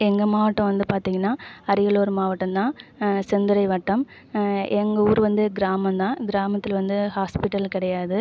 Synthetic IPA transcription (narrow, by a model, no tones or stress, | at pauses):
ɛŋɡɐmaːʋɐʈːɐ̃ʋɐnd̪ɯpaːɾt̪iːŋɡɐnːaːɐɾɪjɐɭoːɾɯmaːʋɐʈːɐmt̪ãːsɛnd̪ɯɾɐɪʋɐʈːɐm | ɛŋɡɐuːɾʋɐnd̪ɯɡɪɾaːmɐmt̪ãːɡɪɾaːmɐt̪ːɪlʋɐnd̪ɯhaːspɪʈːɐlkɪɽɐjaːðɯ